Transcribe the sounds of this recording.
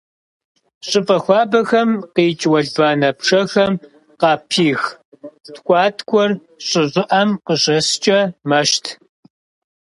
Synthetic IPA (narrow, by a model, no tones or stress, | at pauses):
ɕʼɪpʼɐxʷɑːbɐxɐmqiːt͡ʃʼwɐɮbaːnɐpʂʰɐxɐm | qɑːpʰiːx | tkʷʼɑːtʰkʷʰʼɔr | ɕʼɪʑʼɪʔɐmqəɕʼɐst͡ʃʼɐmɐʃtʰ